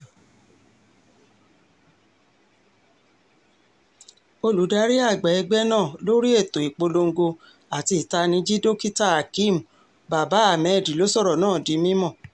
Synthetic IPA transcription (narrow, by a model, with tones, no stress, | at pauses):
o˧lu˨˦da˨˦ɾi˦a˦˨ɡ͡bɛ˨ɛ˧ɡ͡bɛ˦nãː˦˨lo˦ɾi˦e˦˨to˨i˨k͡po˧lo˧ŋ̩˦ɡo˧ | a˨ti˧i˨ta˧nĩ˧˦d͡ʒi˦do˦ki˦ta˦a˨kĩ˦˨m̩˨ | ba˨ba˨˦a˦˨mɛ̃˨di˨lo˨˦sɔ˦˨ɾɔ˨nãː˦˨di˨˦mĩ˦mɔ̃˦˨